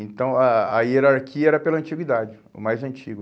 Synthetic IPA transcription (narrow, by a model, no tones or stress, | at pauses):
ẽnt̪ɐ̃w̃ɐɐieɾaɾkʰiɐɛɾɐpelɐɐ̃nt͡ʃiɡwid̪ad͡ʒɪ | ʊ̰majzɐ̃nt͡ʃiɡʊ